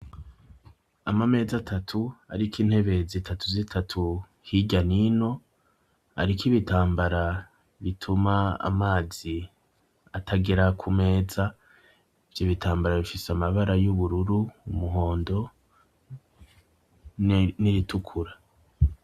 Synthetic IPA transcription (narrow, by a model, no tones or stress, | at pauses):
amame̞ːzatʰatʰua̰ɾikiːnhe̞βe̞zitʰatuzitʰatʰu | hiɟanino̞ | a̰ɾikiβitʰaːmbaɾa | βitʰumaa̰maːzi | atʰaɡeɾakʰume̞ːza | vjiβitʰaːmbaɾaβifiseamaβaɾajuβuɾuɾuːmuɦo̞ːndo̞ | niɾitʰukʰuɾa